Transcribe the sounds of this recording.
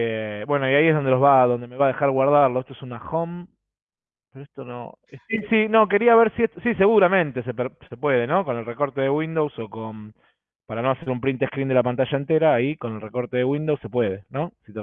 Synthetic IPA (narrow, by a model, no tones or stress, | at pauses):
ebwe̞no̞iaieɦð̞o̞nd̪elo̞ɦβaðo̞nd̪eme̞βað̞e̞xaɾɣwaɾð̞aɾloeht̪oesunaxom | peɾoeht̪ono̰ | esisino̞ke̞ɾiaβe̞ɾsieht̪osise̞ɣuɾamẽ̞nt̪e̞sepɾse̞pwe̞ðe̞no̞kone̞lreko̞ɾt̪e̞ðeɣwind̪owsokon | paɾano̞aseɾumpɾint̪ehkɾind̪elapant̪aʃaent̪eɾaːiko̞nelreko̞ɾt̪e̞ðeɣwind̪owsːe̞pwe̞ðe̞no̞sit̪e